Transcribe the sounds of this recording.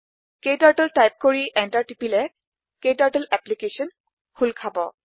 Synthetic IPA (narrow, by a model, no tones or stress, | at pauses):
kejtaɹtɔltajp̚koɹiʔɛntaɹtipilɛ | kejtaɹʈəlɛplikesɔn | hʰulkʰabɔ